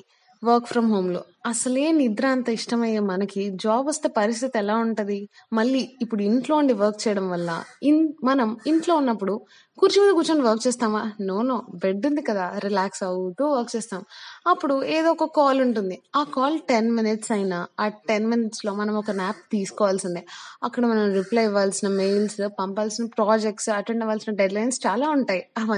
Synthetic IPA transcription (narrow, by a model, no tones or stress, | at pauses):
ʋɐɾkpʰɾɐmɦoːmlo̰ː | ɐsɐleːnid̪ɾaːnt̪ɐiʂʈɐmɐjeːmɐnɐkid͡ʒaːbɐst̪epɐɾist̪ʰit̪iɛlaːuɳʈɐd̪i | mɐɭːiːpːuɽuiɳʈlo̞ːuɳɖiʋɐɾk̚t͡ʃɛːjɐɽɐmʋɐlːɐ̰imɐnɐmiɳʈloːunːɐpːuɽu | kuːɾt͡ʃimind̪ɐɡut͡ʃɐːnʋɐɾk̚t͡ʃɛːst̪aːmaːnoːnoːbe̞ɖːund̪ikɐd̪aːɾilaːksɐwt̪oːʋɐɾkt͡ʃɛːst̪aːmɐpːuɽueːd̪oːkɔkːaːluɳʈund̪iaːkaːlʈenminiʈsɐjnaːaːʈenminiʈslo̞ːmɐnɐmɔkɐnaːp̚t̪iːsu̥kɔːʋaːlsind̪iɐkːɐɽɐmɐnɐmɾiplɐjʋaːlsinɐmejlspɐmpaːlsinɐpɾaːd͡ʒek̚ʈsɐʈeɳɖɐʋaːlsinɐɖeɖlɐjnst͡ʃaːlaːuɳʈaːjiɐʋɐ